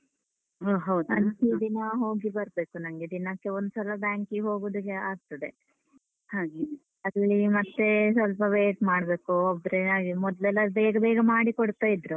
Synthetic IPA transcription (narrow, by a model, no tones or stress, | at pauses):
ɦɐwɐntid̪inɐɦo̞ːɡibɐɾbe̞ːkunɐŋɡed̪inɐkːeond̪usɐlɐbaːŋkiɦo̞ːɡuːd̪ukːeaɡt̪ɐd̪e | haːɡe | ɐd̪lːimɐt̪ːesʋɐlpɐʋeːʈmaːɽbe̞ːkuobɾeaːɡimɔd̪lɛlːɐbɛːɡɐbɛːɡɐmaːɽikoɽt̪ːaːjid̪ɾu